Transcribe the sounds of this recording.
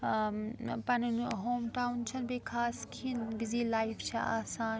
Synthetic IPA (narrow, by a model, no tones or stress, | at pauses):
pɐnnɦoːmʈaːunt͡ʃʰɐnbeːkʰaːskʰinbiziːlaːift͡ʃʰiʔa̰ːsaːn